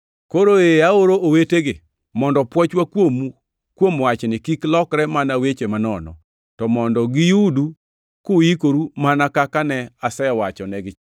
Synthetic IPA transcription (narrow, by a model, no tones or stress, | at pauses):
koɾoeaoɾooweteɡɪ | mɔndɔpwɔt͡ʃwakwomu | kwomwat͡ʃnɪkiklɔkɾɛmanawet͡ʃemanɔnɔ̰ | tɔmɔndɔɡɪjudu | kuikoɾumanakakanɛasɛjɔwat͡ʃɔnɛɡɪ